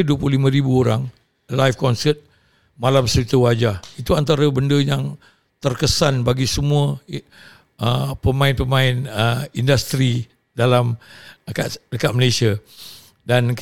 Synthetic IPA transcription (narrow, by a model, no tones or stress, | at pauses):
duəpululimə̃ɾibuoɾaŋ | lajfkɔnsət̪̚ | malamsəɾit̪əwad͡ʒahit̪uant̪aɾəbəndəjaŋ | t̪ərkəsanbaɡisəmũə | əpəmãɪnpəmãɪnəindast̪ɾi | dalaməkadəkat̪̚məlesia | dan